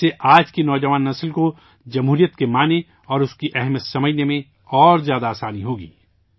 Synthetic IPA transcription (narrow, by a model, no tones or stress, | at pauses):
seʔaːd͡ʒkinɔːd͡ʒɐʋaːnːɐslko | d͡ʒɐmɦuːɾijət̪kemaːne | ɔːɾʊskiʔɛɦmijət̪sɐməd͡ʒʱnemẽ | ɔːɾzjaːd̪aːsaːniɦoːɡḭː